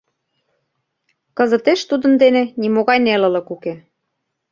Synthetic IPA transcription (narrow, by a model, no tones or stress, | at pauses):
kɤ̆zɤ̆t̪eʃt̪ud̪ə̆nd̪enĕnimoɣɑjnelɤ̆lə̆kuke